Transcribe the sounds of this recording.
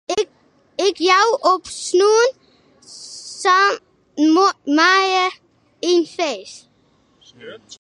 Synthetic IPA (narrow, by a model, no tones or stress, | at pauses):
ɪkjawʔɔpsnuːn | sa | mmajə | infeːs